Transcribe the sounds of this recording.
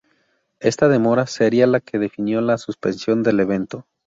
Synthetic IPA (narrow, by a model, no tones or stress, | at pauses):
e̞st̪að̞e̞mo̞ɾaseɾialakʰe̞ðe̞finjo̞lasuspe̞nsjo̞nd̪e̞le̞β̞e̞nt̪o̞